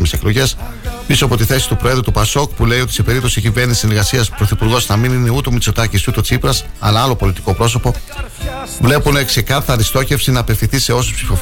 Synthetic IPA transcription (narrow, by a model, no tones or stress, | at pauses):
mise̞klo̞ʝe̞s | pisoɐpo̞t̪iθe̞si̥t̪upɾo̞e̞ðɾut̪upɐso̞kpule̞io̞t̪ise̞pe̞ɾip̚t̪osicive̞ɾnisisneɾɣɐsiɐspɾo̞θipuɾɣo̞znɐminine̞ut̪o̞mit͡so̞t̪ɐcisut̪o̞t͡sipɾɐsɐ̰lɐɐlo̞po̞lit̪i̥ko̞pɾo̞so̞po̞ | vle̞pune̞kse̞kɐθɐɾist̪o̞ce̞fsinɐːpe̞fθinθise̞o̞sospsifo̞f